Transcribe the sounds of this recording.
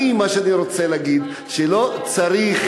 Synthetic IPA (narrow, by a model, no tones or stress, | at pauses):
imːaʃeaniɾo̞t͡seleaɡid̪ | ʃelo̞t͡saɾiχ